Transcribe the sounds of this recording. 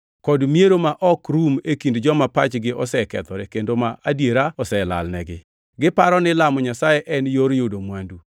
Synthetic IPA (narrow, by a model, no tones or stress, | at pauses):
kɔdmieɾomaʔɔkɾumekindd͡ʒɔmapat͡ʃɡɪʔɔsɛkɛ̰t̪ɔɾekendomaʔadjeɾaɔsɛla̰lnɛɡɪ̰ | ɡɪpaɾɔnɪlamɔɲasajɛʔɛnjoɾjodomwandu